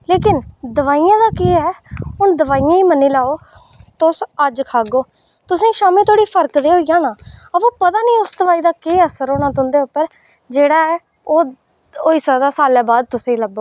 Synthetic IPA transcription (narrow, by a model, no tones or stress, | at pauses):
leːkɪnd̪əʋaːijãːd̪aːkeːɛːʊnd̪əʋaːijãːiːmənːĩːlaːoː | t̪ʊsəd͡ʒkʰaːɡoː | t̪ʊsĩːʃaːmiːt̪ʰoːɽiːpʰəɾkd̪eːɦoːiːjãːnãːəõːpət̪aːnĩːʊsd̪əʋaːiːd̪aːkeːəsəɾoːnãːt̪ʊnd̪eːʊpːəɾ | d͡ʒeːɽaːɛː | oː | oːiːsɛːd̪aːsaːlɛːbaːd̪̚t̪ʊsĩːləboː